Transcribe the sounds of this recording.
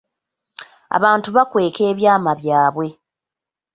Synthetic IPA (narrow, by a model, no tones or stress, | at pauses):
a̰βaːntuβakwe̞ːke̞ːβjaːmaβjaːβwe̞